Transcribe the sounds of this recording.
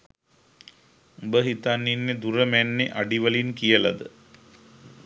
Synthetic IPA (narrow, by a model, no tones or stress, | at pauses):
ubəɦit̪anːinːed̪uɾəmænːeʔaɖiʋəlinkijəla̰d̪ə